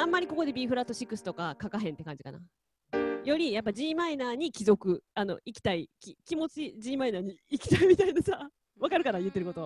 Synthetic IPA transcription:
ãmːaɾʲiko̞ko̞d̪e̞bʲiːɸɯɾat̪ːo̞ɕikɯ̟sɨ̥t̪o̞kakakaɦẽnt̪e̞kãɲ̟d͡ʑika̰na̰ | jo̞ɾʲijap̬ːad͡ʑĩːmainaːɲ̟ikʲizo̞kɯ̟ano̞̰ikʲi̥t̪aikʲikʲimo̞t͡ɕid͡ʑĩːmainaːɲ̟iːkʲi̥t̪aimʲit̪ainasa | βakaɾɯ̟kaɾajɯ̟t̪ːeɾɯ̟ko̞t̪o̞

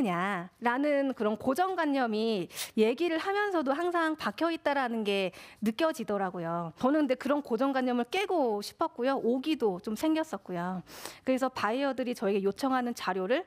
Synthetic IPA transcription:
kɯɲaɾanɯnkɯɾʌnkod͡ʑʌŋɡwaɲːʌmije̞ɡiɾɯɭhamjʌnsʰʌdoɦaŋsʰaŋpakʰjʌit̚t͈aɾanɯnɡe̞nɯk͈jʌd͡ʑidʌɾaɡojot͡ɕʌnɯnde̞kɯɾʌnkod͡ʑʌŋɡwaɲːʌmɯɭk͈e̞ɡoɕʰi̥pʰʌt̚k͈ujoʔoɡidot͡ɕomsʰe̞ŋɡjʌs͈ʌt̚k͈ujokɯɾe̞sʰʌpaiʌdɯɾit͡ɕʌeɡe̞jot͡ɕʰʌŋɦanɯnt͡ɕaɾjoɾɯɭ

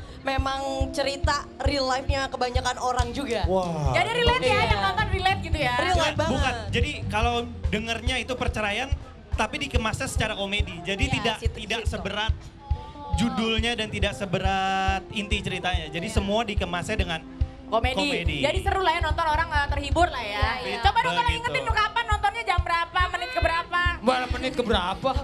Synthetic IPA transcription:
memaŋt͡ʃəɾit̪arilajfɲakəbaɲakanoɾaŋd͡ʒuɡawad͡ʒadiɾilɛfaajanɔnt̪ɔnrilɛf̚ɡit̪ujarilababukand͡ʒadikalawdəŋərɲait̪upərt͡ʃəɾajan | t̪apidikəmasasə̥t͡ʃaɾakomedid͡ʒadiidaktt̪idaksəbəɾat̪̚ | d͡ʒudʊlɲadant̪idaksəbəɾat̪̚int̪it͡ʃəɾit̪aɲad͡ʒadisəmuadikəmasadəŋan | komekoimedid͡ʒadisəɾʊlahjanɔnt̪ɔnoɾaŋət̪ərhibʊrlahjaɡit͡ʃobadaloikʊɪmukapanːɔnt̪ɔnɲad͡ʒambəɾapamənɪt̪̚kəbəɾapabaɾamənɪt̪̚kəbəɾapa

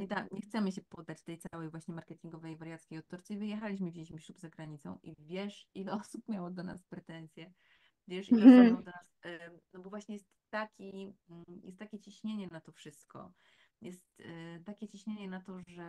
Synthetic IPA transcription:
nɔit̪aɲɛxt̪sɛmɘɕ̬ɛpɔd̪ːat͡ɕt̪ɛjt̪sawɛjvwaɕɲɛmaɾkɛt̪ʲiŋɡɔvɛjvaɾjat̪skʲejɔt̪t̪ːɔɾt̪sɨivɘjɛxalʲiɕ̬mɘvd͡ʑilʲiɕmiɕlupzaɡɾaɲit̪sɔ̰̃w̃ʔivʲjɛʂilɛɔsup̚mʲjawɔd̪ɔna̰spɾɛt̪ɛnsʲjɛ | vʲjɛʂilɛwɔ̃d̪ɔnasnɔbɔvwaɕɲɛjɛst̪ːakʲi | jɛst̪ːakʲɛt͡ɕiɕɲeɲɛnat̪ɔfʂɘst̪kɔ̰ | jɛst̪t̪akʲɛt͡ɕiɕɲeɲɛnat̪ɔʐɛ

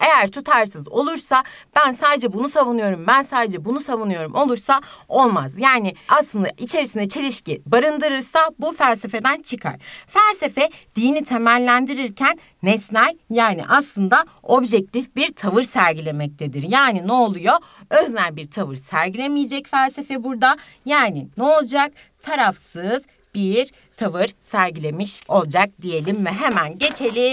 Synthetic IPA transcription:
e̞jæɾt̪ʰut̪ʰaɾsɯzo̞̰lˠuɾsab̥ænsaːd̪ed͡ʒɛbunusavunɯjo̞ɾumbænsaːd̪ed͡ʒɛbunusavunɯjo̞ɾumʔo̞lˠuɾsao̞lˠmazjaːnɪaslˠɯnd̪aʔit͡ʃʰe̞ɾisind̪ɛt͡ʃʰe̞lʲiʃcibaɾɯnd̪ɯɾɯɾsabufælʲse̞fe̞d̪ænt͡ʃʰɯkʰa̰ɾ̥fælʲse̞fɛd̪̥iːnit̪ʰe̞mælʲːænd̪iɾiɾcʰænːɛsnæjjaːnḭʔaslˠɯnd̪a | o̞bʒɛc̚t̪ʰifbiɾt̪ʰavɯɾsæɾɟilʲe̞mɛc̚t̪ʰe̞d̪iɾjaːninɛolˠujo̞ | øznʲænbiɾt̪ʰavɯɾsæɾɟilʲemijed͡ʒɛcfælʲse̞fɛbuɾd̪a | jaːninɛolˠd͡ʒak̚ | t̪ʰaɾafsɯz | b̥iɾ | t̪ʰavɯɾsæɾɟilʲe̞miʃo̞lˠd͡ʒak̚d̪ije̞lʲimvɛɦe̞mænɟe̞t͡ʃʰe̞lʲi

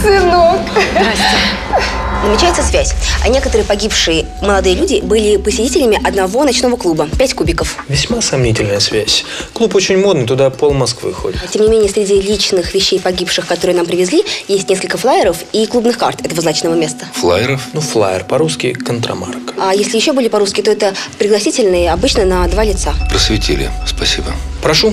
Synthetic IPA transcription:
sɨnok | zəmʲɪt͡ɕæɪt̪səsvʲæsʲa̰nʲekət̪əɾɨjəpɐɡʲipʂɨjə | məlˠɐd̪ɨjəlʲudʲɪbɨlʲɪpəsʲɪtʲitʲɪlʲɪmʲɪʔɐd̪nɐvo̞nɐt͡ɕn̪o̞vəklˠubəpʲætʲkubʲɪkəfvʲɪsʲmasɐmnʲitʲɪlʲnəjəsvʲæsʲklˠupot͡ɕɪnʲmo̞d̪nɨjt̪ʊd̪apolˠmɐskvɨ̰xo̰dʲɪt̪tʲemnʲɪmʲenʲɪjəsʲɾʲɪdʲilʲit͡ɕnɨxvʲɪɕːejpɐɡʲipʂɨxkɐt̪oɾɨjənampɾʲɪvʲɪzʲlʲijesʲtʲneskəlʲkəflˠajɪɾəfiklˠubnɨxka̰rt̪ɛt̪əvəznat͡ɕnəvəmʲe̞st̪əflˠa̰jɪɾəfnuflˠa̰jɪ̰rpɐɾuskʲɪjkənt̪ɾɐ̰ma̰rkajesʲlʲɪjɪɕːobɨlʲɪpɐɾuskʲɪt̪oɛt̪əpɾʲɪɡlˠɐsʲitʲɪlʲnɨjəɐbɨt͡ɕnənɐd̪valʲɪt̪sapɾəsvʲɪtʲḭlʲɪ̰spɐsʲibəpɾɐʂu

